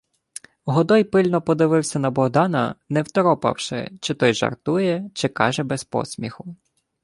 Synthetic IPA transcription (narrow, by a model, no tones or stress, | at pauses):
ɦɔd̪ɔjpɪlʲnɔpɔd̪ɪʋɪwsʲɐnɐbɔɦd̪ɑnɐ̰nɛwt̪ɔɾɔpɐ̰wʃɪ̰t͡ʃɪt̪ɔjʒɐ̰rt̪ujɛt͡ʃɪkɑ̰ʒɛbɛspɔ̰sʲmʲixʊ